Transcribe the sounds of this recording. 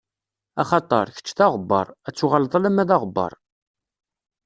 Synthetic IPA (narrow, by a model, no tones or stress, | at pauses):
ɑχɑt̪ˤɑɾˤçə̥t͡ʃːθɑʁəbːɑ̰ɾˤæt͡sːuʁəlðˤɑlæmæðɑʁəbːɑ̰ɾˤ